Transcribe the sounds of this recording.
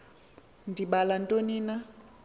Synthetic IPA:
ndʱiɓalantʼonina

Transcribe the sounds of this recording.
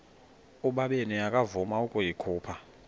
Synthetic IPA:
uɓaɓenijakʼavumaukʼujikʰuːpʰa

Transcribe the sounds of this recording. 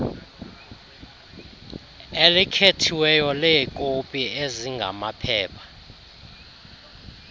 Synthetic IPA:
elikʰetʰiwɛjɔlɛkʼopʼieziŋɡʱa̰mapʰɛːpʰḁ

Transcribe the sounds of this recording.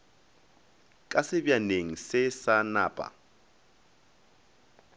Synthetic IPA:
kʼasɪbjaneŋ̩sɪsanaːpʼa̰

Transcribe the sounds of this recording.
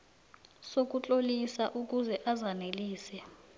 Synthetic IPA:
sok̬ut͡ɬʼolisaʔuk̬uzɛʔazaneliːsɛ

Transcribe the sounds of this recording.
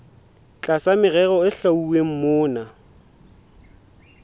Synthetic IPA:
t͡ɬʼasamɪɣɛɣɔɪɬauweŋ̩mʊːna

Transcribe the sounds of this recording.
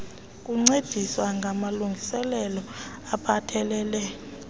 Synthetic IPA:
kʼuŋ͡ǀed̥ʱiswaŋɡʱamaluŋɡʱisɛlɛlɔ | apʰatʰɛlɛːlɛ

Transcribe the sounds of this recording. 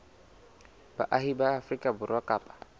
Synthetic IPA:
ba̰ʔaɦibaːfrikʼabʊɾwakʼaːpʼḁ

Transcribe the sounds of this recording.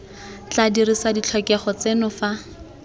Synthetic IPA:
t͡ɬadirisadit͡ɬʰɔkɛχɔt͡senʊfa

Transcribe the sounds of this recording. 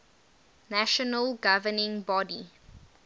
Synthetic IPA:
næʃɔnəlɡavənɪ̃ŋbɔdi

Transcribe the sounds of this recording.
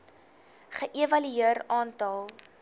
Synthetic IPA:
χəʔevɐlyiəɾɑːntɐlˠ

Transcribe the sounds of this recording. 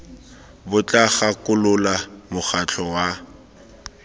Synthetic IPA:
bʊt͡ɬʼaχakʼʊlʊlamʊχat͡ɬʰɔwa

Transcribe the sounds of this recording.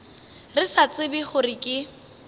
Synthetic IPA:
rɪsat͡sʼɪbiχʊrɪkʼɪ

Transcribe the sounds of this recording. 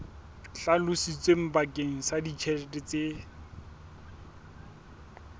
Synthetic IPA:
ɬalʊsit͡sʼwem̩bakʼeŋ̩sadit͡ʃʰɛlɛtʼɛt͡se

